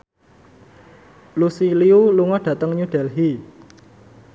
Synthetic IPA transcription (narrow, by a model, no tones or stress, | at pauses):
lusiliuluŋɔɖ̥ä̤t̪əŋɲuɖ̥ɛlɦi